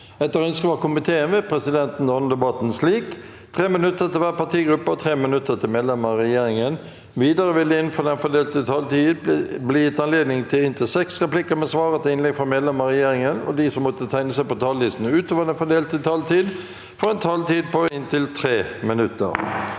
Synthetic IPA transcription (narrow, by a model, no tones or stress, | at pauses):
ɛt̪ːəɾœnskəʋɑkʊmɪt̪ʰeːənʋɛpʰɾɛsɪd̪ɛnt̪n̩ɔnəd̪ɛbɑt̪n̩sliːk | t̪ʰʁeːmɪnʉt̪ːət̪ʰɪlʋæːʁpɑʁt̪ʰiːɡɾʉpːəɔt̪ʰʁeːmɪnʉt̪ːət̪ʰɪlmeːd̪lɛməʁɛjeːɾɪŋən | ʋiːd̪əɾəʋɪlːəɪnfɔːd̪ɛnfɔd̪eːlt̪ət̪ʰɑlt̪ʰiːd̪blɪjɪt̪ːɑnleːd̪nɪŋt̪ʰɪlɪnt̪ʰɪlsɛksʁɛplɪkəmɛsʋɑːʁət̪ɪɪnlɛɡfɾɑmeːd̪lɛməʁɛjeːɾɪŋənɔ̰d̪ɪsɔmːɔt̪ət̪ʰæɪnəsæɪpɔt̪ʰɑːllɪst̪n̩ʉːt̪oːʋəd̪ɛnfɔd̪eːlt̪ʰət̪ʰɑlt̪iːd̪ | fɔɾɛnt̪ʰɑlt̪iːd̪̚pɔɪnt̪ʰɪlt̪ʰʁeːmɪnʉt̪ːə̰ɾ